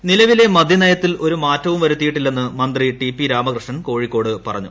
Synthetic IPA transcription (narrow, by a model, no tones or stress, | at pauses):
nilɐʋile̞mɐd̪ʱinɐjɐt̪ːilo̞ɾumaːtːɐʋumʋɐɾut̪ːijiʈːilːe̞nːɨmɐnd̪riʈipːiɾaːmɐkrɨʂɐɳko̞ːɻikːo̞ːɽɨpɐrɐɲːu